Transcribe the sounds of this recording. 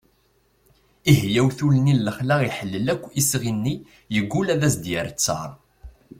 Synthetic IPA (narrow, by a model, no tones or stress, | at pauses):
ihjæwθulnillːəχlæiħəlːəlækʷːisʁinːi | jəɡʷːulæðæsd̪jəɾt͡sːɑ̰ɾˤ